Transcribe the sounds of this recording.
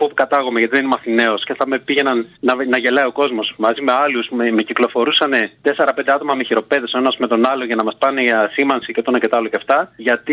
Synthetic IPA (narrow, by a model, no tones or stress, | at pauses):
popu̥kɐt̪ɐɣo̞me̞ʝɐt̪iðeinemɐθine̞o̞sce̞θɐme̞piʝe̞nɐnːɐnɐʝe̞lɐio̞ko̞zmo̞smɐzime̞ɐlusemeciklo̞fo̞ɾusɐne̞t̪e̞se̞ɾɐpend̪e̞ɐt̪o̞mɐmeçiɾo̞pe̞ðesoenɐsme̞t̪o̞nɐlo̞ʝɐnɐmɐspɐneʝɐsimɐnsicet̪onɐce̞t̪ɐɐloceft̪ɐʝɐt̪i